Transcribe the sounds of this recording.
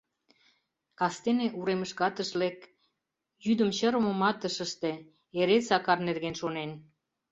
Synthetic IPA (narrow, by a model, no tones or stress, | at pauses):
kɑst̪eneʔuɾeməʃkɑt̪əʃlek | jyd̪ə̆mɕəɾəmə̆mɑt̪əʃə̆ʃt̪e | eɾesɑkɑrnerɣenʃonen